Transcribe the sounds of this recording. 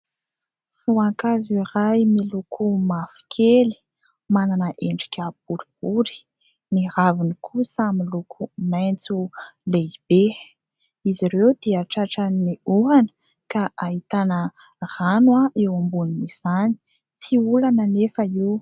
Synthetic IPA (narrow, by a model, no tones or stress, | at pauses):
fuaŋkazuiɾajmilukʰumafi̥kʲʰeli̥ | mananəʔeɳɖ͡ʐi̥kʲəbuɾibuɾi̥ | niravinikʰusamilukʰumajnt͡suleib̥e | iziɾewd̪̥iaʈ͡ʂaʈ͡ʂaniuanə̥ | kaʔaɦit̪anə | r̥anwaewambuniniz̥ani̥ | t͡siulanənefəiw